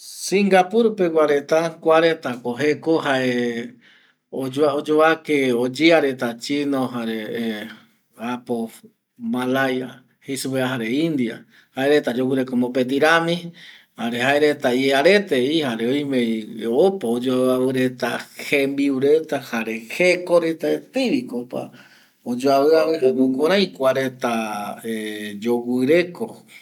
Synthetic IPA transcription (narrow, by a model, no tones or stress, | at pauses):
sĩŋɡapuɾupeɡʷaɾe̞t̪akʷaɾet̪akoɦekoɦae | od͡ʒod͡ʒoakeod͡ʒiaɾet̪at͡ʃinoɦaɾe | apo | malaja | hesupeaɦaɾeĩnd̪ia̰ | haeɾet̪ad͡ʒokuɾekomopet̪̬iɾamĩhaɾeɦaeɾet̪ajeaɾet̪eihaɾeoj̃meopaod͡ʒoaaβɨɾet̪ahembiuɾet̪ahaɾe̞hekoɾet̪aet̪ɨɾikopa̰ | od͡ʒoaβɨaβɨhakokõɾãj̃kʷaɾet̪aed͡ʒowɨɾe̞ko